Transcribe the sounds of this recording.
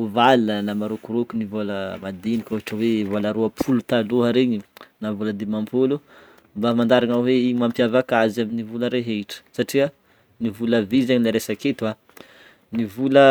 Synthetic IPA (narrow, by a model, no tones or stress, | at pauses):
uvalnənamaɾokuɾokunivoləmad̪enikʲuɦaʈ͡ʂəwevolaɾuapʰulut̪aluɦaɾeɲinavoləd̪emampʰolu | mbamand̪aɾaŋaweiɲmampjavakazaminivuləɾeɦeiʈ͡ʂə̥saʈ͡ʂia | nivuləvizaɲinaɾesaket̪ua | nivulə